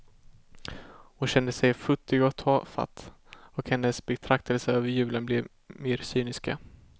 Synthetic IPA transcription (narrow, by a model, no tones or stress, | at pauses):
hɔɕɛnd̪əsɛjfɵt̪ːɪɡɔt̪ʰɑːfa̰t̪ː | ɔkhɛnːəsbɛt̪ʰɾak̚t̪ʰəlsəøːvəɾjʉ̟ːlənblɛv | meːɾsyːnɪska̰